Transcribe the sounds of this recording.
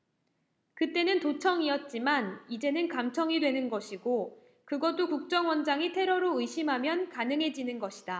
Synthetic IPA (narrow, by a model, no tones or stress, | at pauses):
kɯt͈e̞nɯntot͡ɕʰʌŋiʌt̚t͡ɕ͈imanid͡ʑe̞nɯnkamt͡ɕʰʌŋidwe̞nɯnɡʌɕʰiɡo | kɯɡʌt͈okuk̚t͡ɕ͈ʌŋwʌnd͡ʑaŋitʰe̞ɾʌɾoɯiɕʰimɦamjʌnkanɯŋɦe̞d͡ʑinɯnɡʌɕʰida